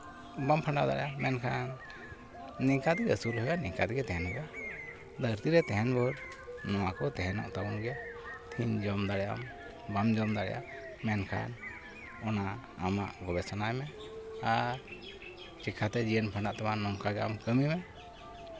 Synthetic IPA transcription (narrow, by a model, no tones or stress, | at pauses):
bampʰaɳɖaʔd̪a̰ɾɛjamɛnkʰanː | ɛŋkat̪ɛɡɛsuɾhəɡanɛŋkat̪ɡɛt̪ɛɦɛnɦəɡa | d̪əɾt̪iɾɛt̪ɛɦɛnbɔɾ | nɔwakɔt̪ɛɦɛnɔ̰ʔt̪abunɡɛt̪ʰiɲd͡ʒɔmd̪aɾɛja̰m | bamd͡ʒɔmd̪aɾɛjʔa̰ | mɛnkʰa̰n | ɔna | a̰ma̰ʔɡɔbɛsanajmɛ | aɾ | t͡ʃɛkʰat̪ɛd͡ʒiənpʰaɳɖaʔt̪amanɔŋkaɡɛa̰mkəmimɛ